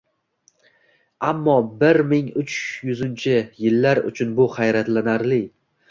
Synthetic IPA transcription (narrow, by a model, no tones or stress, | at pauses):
amːɒbɪɾmɪŋʊt͡ʃʰjʊzɪnt͡ʃʰɪjɪlːaɾʊ̰t͡ʃʰʊnbʊχajɾat̪lanaɾlɪ